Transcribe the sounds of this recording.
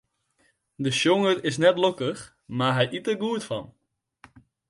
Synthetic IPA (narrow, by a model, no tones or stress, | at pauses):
dəʃjoŋərɪs̬nɛtlokəχ | maːɹɦɛjʔitəɡuːtfɑn